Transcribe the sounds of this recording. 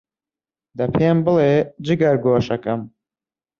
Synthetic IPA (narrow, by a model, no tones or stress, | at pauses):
d̪ɐpʰeːmbɨleːd͡ʒɨɡɐɾɡoːʃɐkɐm